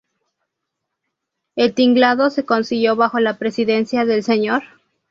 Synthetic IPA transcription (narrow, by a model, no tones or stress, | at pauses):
e̞lt̪iŋɡlaðose̞ko̞nsiɣjo̞βaxo̞lapɾe̞siðe̞nsjaðe̞lse̞ɲo̞ɾ